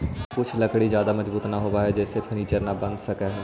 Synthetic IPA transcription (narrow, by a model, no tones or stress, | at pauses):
kʊt͡ʃʰlɐkɽizjaːd̪amɐzbuːt̪naɦoːbaɦɛd͡ʒɛːsepʰəɾniːt͡ʃəɾnabɐ̃nd̪sɐkaɦɛː